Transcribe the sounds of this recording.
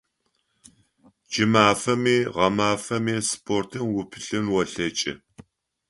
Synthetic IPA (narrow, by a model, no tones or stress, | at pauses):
d͡ʒɪmaːfɐmiːʁɐmaːfɐmiːspʰʼoːrtʰɨmwʊpʰɨɬɨnwɐɬɐt͡ʃʼɪ̰